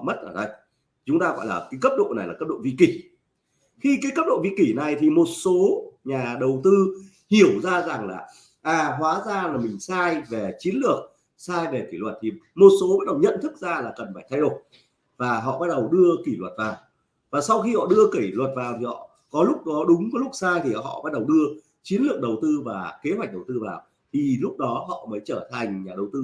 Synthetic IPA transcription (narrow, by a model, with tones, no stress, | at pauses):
mə˦˥t̚ʔəː˧˩ɗə˧j | t͡ɕʊ˨˦ŋ͡mt̪aː˧ɣɔ̰˧˨jlaː˨˩kaː˨˦jkə˦˥p̚ɗo̰˧˨na˨˩jlaː˨˩ə˦˥p̚ɗo̰˧˨vḭ˧˨ki˧˩ | xi˧kaː˨˦kə˦˥p̚ɗo̰˧˨vḭ˧˨ki˧˩na˨˩jt̪ʰi˨˩mo˨˩t̚so˨˦ɲaː˨˩ɗə˨˩wt̪ɨ˧ | hi˧˩əwzaː˧za˨˩ŋlaː˨˩ | ʔaː˨˩ɦwaː˨˦zaː˧laː˨˩mï˨˩ŋ̟saː˧jve˨˩t͡ɕi˨˦ənlɨ˨˩ək̚ | saː˧jve˨˩ki˧˩lwə˨˩t̚t̪ʰi˨˩mo˨˩t̚so˨˦ɓa˦˥t̚ɗə˨˩wɲə̰˧˨nt̪ʰɨ˦˥k̚zaː˧laː˨˩kə˨˩nfaː˧˩t̪ʰjɗo˨˩j | vaː˨˩ɦɔ̰˧˨ɓa˦˥t̚ɗə˨˩wɗɨ˧əki˧˩lwə˨˩t̚vaː˨˩w | vaː˨˩sa˧wxi˧hɔ̰˧˨ɗɨ˧əki˧˩lwə˨˩t̚vaː˨˩wt̪ʰi˨˩hɔ̰˧˨ | kɔ˨˦lʊ˦˥k͡p̚ɗɔ˨˦ɗʊ˨˦ŋ͡mkɔ˨˦lʊ˦˥k̚saː˧jt̪ʰi˨˩hɔ̰˧˨ʔɓa˦˥t̚ɗə˨˩wɗɨ˧ə | t͡ɕi˨˦nlɨ˨˩ək̚ɗə˨˩wt̪ɨ˧vaː˨˩ke˨˦ɦwa˨˩k̚ɗə˨˩wt̪ɨ˧vaː˨˩w | t̪ʰi˨˩lʊ˦˥k͡p̚ɗɔ˨˦ɦɔ̰˧˨məː˨˦jt͡ɕəː˧˩t̪ʰa˨˩jŋ̟ɲaː˨˩ɗə˨˩wt̪ɨ˧